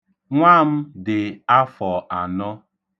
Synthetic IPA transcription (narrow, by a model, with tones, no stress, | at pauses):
ŋʷa˦˨m̩˦dɪ˨a˦fɔ˨a˨nɔ˦